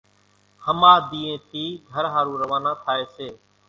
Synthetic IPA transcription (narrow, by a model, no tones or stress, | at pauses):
həmaːd̪iːẽːt̪ʰiːɡʱəɾɦaːɾũːɾəʋaːnãːt̪ʰaːeːseː